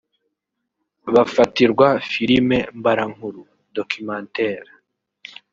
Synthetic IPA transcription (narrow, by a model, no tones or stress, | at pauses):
βafatiɾɡwafiɾime̞mbaɾaŋ̥huɾu | dokʰimaːnteːɾe